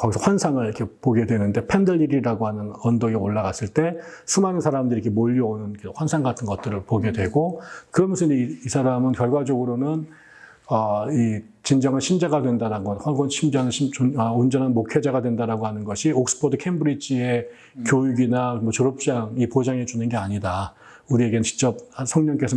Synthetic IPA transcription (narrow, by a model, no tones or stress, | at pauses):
kʌɡisʰʌhwansʰaŋɯɾikʰepoɡe̞dwe̞nɯnde̞pʰendɯʎːiɾiɾaɡoɦanɯnʌndoɡeoɭːaɡas͈ɯɭt͈e̞sʰɯmanɯnsʰaɾamdɯɾikʰemoʎːʌonɯnkeɸwansʰaŋɡatʰɯnɡʌt̚t͈ɯɾɯɭpoɡe̞dwe̞ɡokɯɾʌmunsʰɯniisʰaɾamɯnkjʌɭɡwad͡ʑʌɡɯɾonɯn | ʌi | t͡ɕind͡ʑʌŋɯnɕʰimd͡ʑaɡadwe̞ndaɾaɡʌnhwʌnɡʌnɕʰimd͡ʑaŋɯioʌond͡ʑʌnɦanmokʰed͡ʑaɡadwe̞ndaɾaɡohanɯnɡʌɕʰiok̚s͈ɯ̥pʰodɯkʰembɯɾid͡ʑʰie̞ | kjojuɡinamʌt͡ɕoɾop̚t͡ɕ͈aŋipod͡ʑaŋe̞d͡ʑunɯnɡe̞aɲida | uɾie̞ɡent͡ɕi̥k̚t͡ɕ͈ʌp̚sʰʌŋɲʌŋk͈esʰʌ